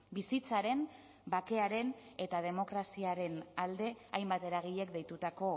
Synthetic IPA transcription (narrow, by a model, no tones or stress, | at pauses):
bisit͡saɾe̞n | bake̞aɾe̞ne̞t̪aðe̞mo̞kɾasiaɾe̞nald̪e̞ajmbat̪e̞ɾaɣ̞iʎe̞kd̪e̞jt̪ut̪ako̞